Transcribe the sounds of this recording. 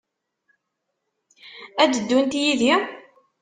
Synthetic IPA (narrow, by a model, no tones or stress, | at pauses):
æd̪əd̪ːunt̪jiði